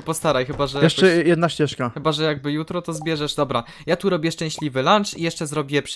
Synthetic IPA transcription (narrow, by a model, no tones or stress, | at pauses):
pɔst̪aɾajxɘbaʐɛjɛʂt͡ʂɛjɛd̪naɕt͡ɕɛʂkaxɘbaʐɛjaɡ̚bɘjut̪ɾɔt̪ɔzbʲjɛʐɛʐd̪ɔbɾa | jat̪uɾɔbʲjɛʂt͡ʂɛ̃ɕlʲivɘlant͡ʂijɛʂt͡ʂɛzɾɔbʲiɛp